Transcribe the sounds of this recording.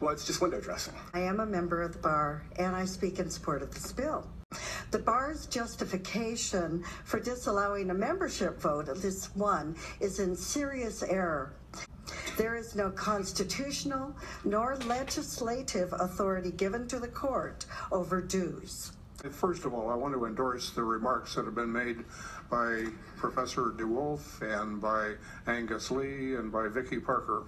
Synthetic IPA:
wɛlˠɨtsd̥ʒ̥ʌst̚wʌ̃ndoʊdɹɛ̰sɪ̃ŋaɪɨ̃məmɛ̃mbə˞ʌvðəbɑɹʔɨ̃ñaɪspikɨ̃nsə̥pʰɔɹɾɨt̪̚ðɨspɪlˠ | ðɨbɑɹzd͡ʒʌstɨfɨkʰeɪʃɨ̃nfə˞dɪsəlaʊɪ̃ŋɨmɛ̃mbə˞ʃɪpv̥oʊɾðɪswʌ̃nɨzɨ̃nsɪɹiɨsɛɹə˞ | ðə˞ɨznoʊkʰɑ̃nstɨtʰʉʃn̩l̩ˠnɔɹlɛd͡ʒɨsleɪɾɪvəθɔɹɨɾiɡɪvɨ̃ntʰɨðɨkʰɔɹɾoʊvə˞dʉz̥ | fɜ˞stʌvɔlˠaɪwɑ̃ntʰəɨ̃ndɔɹsðɨɹɨmɑɹksðɨt̚hɨvbɨ̃nmeɪd̚ | b̥aɪ | pʰɹ̥ɨfɛsə˞duwʊlˠfɨ̃nbaɪ | æ̃ŋɡɨsliɨ̃nbaɪvɪkipʰɑɹkə˞

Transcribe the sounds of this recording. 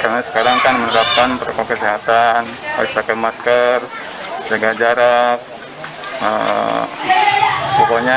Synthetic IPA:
kaɾnasə̥kaɾaŋkanmənəɾap̚kanpəɾakakəsiɦat̪anpa̰isakanmaskər | d͡ʒaɡad͡ʒaɾak̚ | ə̰ | sɔkaɲa

